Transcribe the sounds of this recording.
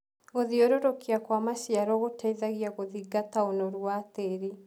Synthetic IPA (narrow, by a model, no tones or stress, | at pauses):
ɣoðioɾoɾokiakwamaʃjaɾɔɣotaiðaɣiaɣoðiɡataonoɾwateɾi